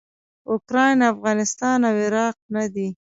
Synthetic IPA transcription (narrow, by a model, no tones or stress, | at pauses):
ʊkɾɑjnafɣɑnɪst̪ɑnawɪɾɑq̚nad̪i